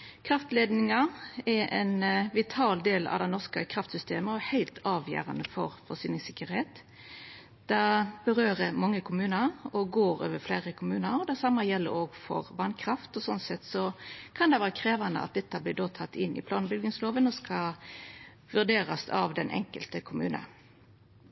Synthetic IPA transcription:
kʰɾɑft̪leːd̪nɪŋɑɛɾʔɛ̰nʋɪt̪ʰɑːld̪eːlɑ̰ʋd̪ɛɪnɔʁskəkʰɾɑft̪sʏst̪eːməɔæhæɪlt̪ʰɑːʋjæ̰ːɾɑnəfɔɾfɔsyːnɪŋsɪkːəɾheːt̪ | d̪̥æb̥əɾøːɾəmɑŋːəkʰʊmʉːnəɔɡoːɾø̰ːʋəflæːʁəkʰʊmʉːnəɾɔd̪æsɑmːəjɛlːə̰ɾoːɡfɔ̰ʁbɑnkʰɾɑft̪ɔsɔnsɛt̪sɔkʰɑnd̪ɛʋɑːʁəkʰɾeːʋɑnə̰ɑ̰t̪̚d̪ɛt̪ːɑblɪːd̪ot̪ʰɑt̪ːɪnːʔɪ̰pʰlɑːnbʏlɡ̪ɪŋsloːʋənɔskɑ | ʋʉʁd̪eːɾɑsɑ̰ʋd̪ɛnʔɛ̰ŋkəlt̪əkʰʊmʉːnə̰

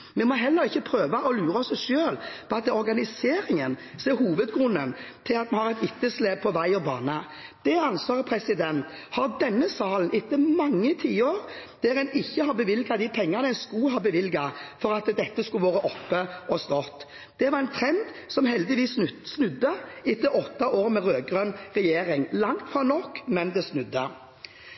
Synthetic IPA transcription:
mɛmɔɦɛlːəɾɪçːəpʰɾøːʋɑʔɔlʉːɾəɔsʃøːlpʰɔɑt̪ɔɾɡɑnɪseːɾɪŋənseːɾhuːʋəd̪ɡɾʉnːənt̪ʰɪlɑt̪̚mɛnhɑɾɛt̪ɪt̪ːəsleːb̚pʰɔʋæɪɔbɑ̰ːnə | d̪̥ɛɑnsʋɑːʁpʰɾɛsɪd̪ɛnt̪ | hɑd̪ɛnːəsɑːlənʔɪt̪ːəmɑŋːət̪ʰiːəoːɾd̪̥ɛɾɛnɪçːəhɑbəʋɪlɡɑd̪ɪpʰɛŋːɑnəɛnskʉɦɑbəʋɪlɡɑfɔɾɑt̪d̪ɛt̪ːəskʉʋoːɾəʔɔpːəʔɔst̪ɔt̪ | d̪̥ɛʋɑɾɛnt̪ʰɾɛnd̪sɔmhɛld̪ɪʋiːssnʉd̪ːəɪt̪ːəɾɔt̪ːɑʔoːɾmɛɾøːɡɾœnʁɛjeːɾɪŋlɑŋt̪fɑnɔkːmɛnd̪ɛsnʉd̪ːə

